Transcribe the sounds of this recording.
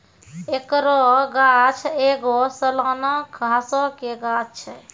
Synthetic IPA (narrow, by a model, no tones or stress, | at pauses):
ekɾɔɡat͡ʃʰeɡɔsəlaːnakɡʱãsɔkeɡat͡ʃt͡ʃʰɛ